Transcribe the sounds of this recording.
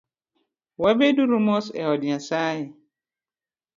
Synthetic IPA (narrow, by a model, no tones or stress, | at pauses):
wɛbeduɾumɔ̃sɛ̰ɔdɪ̃ãsaːjɪ